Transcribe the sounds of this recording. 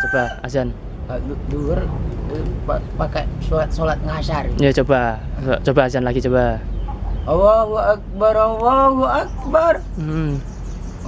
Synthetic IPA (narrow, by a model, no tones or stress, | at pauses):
t͡ʃobaad͡ʒan | adduər | papakasolat̪̚solat̪̚ŋaʃarjat͡ʃobat͡ʃobaːd͡ʒanlaɡit͡ʃoba | awawuak̚baɾawawuʔak̚bar̩